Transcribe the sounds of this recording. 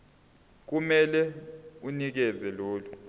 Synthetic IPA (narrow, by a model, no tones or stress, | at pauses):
k̬umɛlɛunik̬ɛzɛloːlu